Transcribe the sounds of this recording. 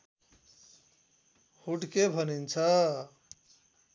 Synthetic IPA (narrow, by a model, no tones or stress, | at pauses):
huʈkebʱənint͡sʰʌ